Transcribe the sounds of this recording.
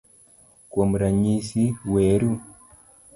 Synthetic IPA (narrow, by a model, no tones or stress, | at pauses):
kwomuɾaɲisiweɾu